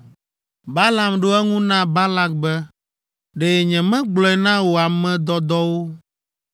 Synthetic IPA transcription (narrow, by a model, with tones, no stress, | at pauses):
ba˦la˨mɖo˦ɛ˦ŋũ˦nã˦ba˦la˦k̚bɛ˦ | ɖe˨ɲɛ̃˨mɛ̃˦ɡ͡blɔ˨˦ɛ˨nã˦wo˨a˨mɛ̃˦d̪ɔ˦d̪ɔ˦wo˦